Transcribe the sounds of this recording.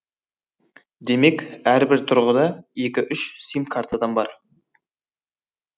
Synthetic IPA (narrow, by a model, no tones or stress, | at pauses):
d̪e̞me̞kʲæɾbɪɾt̪ʰʊɾʁəd̪ɑe̞kʲɪʔʏʃsimkʰaɾt̪ʰad̪ɑnbɑɾ